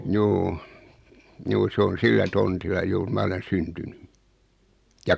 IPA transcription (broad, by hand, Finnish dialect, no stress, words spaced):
juː juː sĕ on silːæ tontilːɑ juːr mɑ olen syntyny jɑ